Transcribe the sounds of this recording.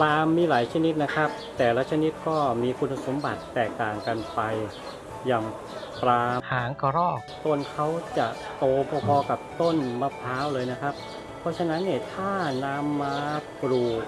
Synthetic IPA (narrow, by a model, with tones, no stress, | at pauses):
plaː˧mːiː˧laː˩˦jt͡ɕʰa˧ni˦˥t̪̚na˦˥kʰa˦˥p̚t̪ɛː˨˩laː˦˥t͡ɕʰa˧ni˦˥t̪̚kɔː˥˩miː˧kʰu˧nːa˧so˩˦mba˨˩t̪ːɛː˨˩k̚t̪aː˨˩ŋka˧npa˧j | jaː˨˩ŋ | pɾaː˧haː˩˦ŋkɔː˧ɾɔː˥˩k̚t̪o˧nkʰa˦˥wt͡ɕa˨˩ʔ | t̪oː˧pʰɔː˧pʰɔː˧ka˨˩p̚t̪o˥˩nma˧˩pʰaː˦˥wlɤː˧jna˦˥kʰa˦˥p̚ʰː | ɔ˦˥t͡ɕʰa˧na˦˥nːiː˥˩t̪ʰaː˥˩naː˦˥mːaː˦˥pɾuː˨˩k̚